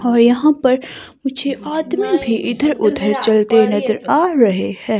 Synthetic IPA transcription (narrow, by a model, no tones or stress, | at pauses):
ɔːɾjɐɦãpɐɾ | mʊd͡ʒʰʱeaːd̪mibʱiʔɪd̪ʱəɾʊd̪ʱəɾt͡ʃɐlt̪enɐzəɾaːɾɐɦehɛ̃ː